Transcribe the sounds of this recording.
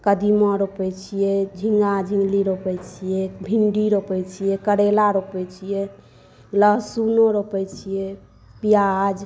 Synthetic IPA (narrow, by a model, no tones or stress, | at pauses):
kəd̪imɔɾopɛt͡ʃʰijɛd͡ʒʱiŋɡad͡ʒʱĩŋɡliɾopɛt͡ʃʰijɛbʱiɳɖiɾopɛjt͡ʃʰijɛkəɾelaɾopɛt͡ʃʰijɛ | ləɦsunoɾopɛt͡ʃʰijɛ | pijad͡ʒ